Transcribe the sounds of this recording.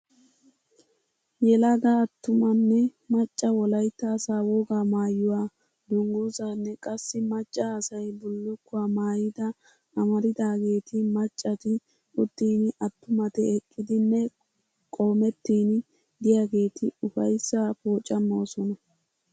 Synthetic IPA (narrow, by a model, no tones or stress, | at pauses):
jɛlɐɡaːt̪ːʊmɐnːɛmɐt͡ʃʼːɐwɔlɐjt̪ːɐːsaːwɔɡaːmaːjːʊwaː | d̪ʊŋɡoːzanːɛkʼɐsːɪmɐt͡ʃʼːɐːsɐjbʊlːʊkːʊwaːmaːjɪd̪ɐ | ɐmɐɾɪd̪aːɡe̞ːt̪ʰɪmɐt͡ʃʼːɐt̪ɪ | ʊd̪̥ːiːnʔɐt̪ːʊmɐt̪ɛɛkʼːɪd̪ɪnːɛ | kʼo̞ːmɛt̪ːiːn | d̪ɪjaːɡe̞ːt̪ʰɪʊfɐjsːapoːt͡ʃʼːɐmːo̞ːsɔnɐ